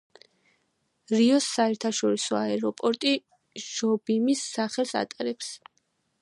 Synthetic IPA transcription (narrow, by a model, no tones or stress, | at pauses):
ɾiɔsːaɛɾt̪ʰaʃɔɾisɔaɛɾɔpʼɔɾt̪ʼi | ʒ̥ɔbimisːaχɛlˠsa̰t̪ʼaɾɛps